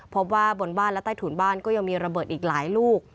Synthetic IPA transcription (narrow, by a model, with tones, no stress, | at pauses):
pʰo˦˥p̚waː˥˩bo˧nbaː˥˨lɛ˦˥t̪aː˥˩t̪ʰuː˩˦nbaː˥˩nkɔː˥˩ja˧ŋmiː˧ɾa˧bɤː˨˩t̪̚ʔiː˨˩k̚laː˩˦jluː˥˩k̚